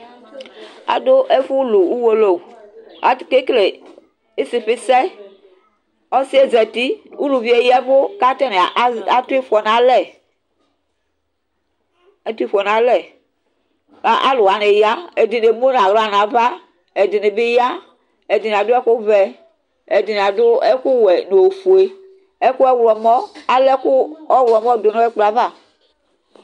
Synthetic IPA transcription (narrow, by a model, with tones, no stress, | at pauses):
a̰˨do˦ʔe˦fu˦lu˨u˦wo˦lo˨a˨ke˦kle˨ | e˦si˨ɸɪ˦sɛ˦ | ɔ˦si˦e˦zɛ˨ti˦u˦lu˨vi˦e˨jɛ˦vo˦ka˦tɛ˦ne˨˦a˨tu˦i˦fɔ˨na˦lɛ˦˨ | a˨tu˦i˦fɔ˨na˦lɛ˨ | a˨ʔa̰˦lo˨a˨ne˨ja˦ɛ˨di˨ne˨mo˦n˨ã˨ɣɾa˦na˨va˦ | ɛ˨di˨ne˨be˦ja˦ | ɛ˨di˨n˨a˨dʊ˦ɛ˦ku˦vɛ˨ | ɛ˨di˨n˨a˨dʊ˦ɛ˦ku˦wɛ˨no˨fu˨e˦ | ɛ˦ku˦ɛ˦wɛ˨mɔ˦a˦lɛ˦ku˦ɔ˦wɛ˨mɔ˦do˨nɔ˦ɛ˦k͡pla˨va˦˨